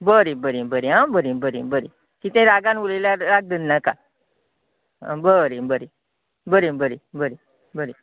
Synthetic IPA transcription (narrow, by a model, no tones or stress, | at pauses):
bəɾibəɾibəɾiɦãbəɾibəɾibəɾi | k̪it̪ʰẽɾaɡanwuleljaɾaɡ̚d̪ənːaka | a̰bəɾibəɾi | bəɾibəɾibəɾi | bəɾi